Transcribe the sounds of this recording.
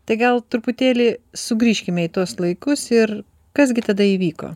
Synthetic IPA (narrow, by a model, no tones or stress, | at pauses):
t̪ɐɪɡɐlˠt̪ʊɾpʊt̪ʲeːlʲɪsʊɡɾʲiːʃʲkʲɪmʲɛɪːt̪uɔslˠɐɪkʊsɪr | kɐsɡʲɪt̪ɐd̪ɐiːʋʲiːko̰ː